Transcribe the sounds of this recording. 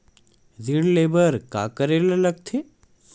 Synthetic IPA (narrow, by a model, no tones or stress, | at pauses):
ziɽleːbəɾka̰kəɾeːlalɐɡ̚t̪ʰe